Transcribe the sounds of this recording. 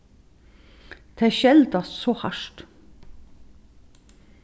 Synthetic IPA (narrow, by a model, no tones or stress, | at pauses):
d̪̥ʰeæːʃɛld̪ɑssoːhɑʃʈ